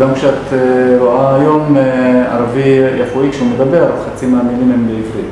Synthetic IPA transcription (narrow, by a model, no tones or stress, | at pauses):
ɡamkʃeat̪eɾoajo̞ma̰ɾavijaχuikʃeumed̪abeɾχat͡simaːmilimembeivʁi